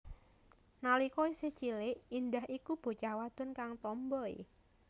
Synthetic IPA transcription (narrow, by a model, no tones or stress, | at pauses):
nalikɔise̥t͡ʃilɪʔind̪aɦikub̥o̤t͡ʃawad̪̥ʊ̤nkaŋt̪ɔmbɔj̰